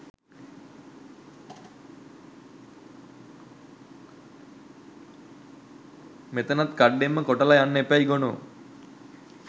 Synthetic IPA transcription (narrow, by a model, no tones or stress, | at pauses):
met̪ɐnɐt̪kɐɖːemːɐkɔʈɐlɐjanːepːajɡonu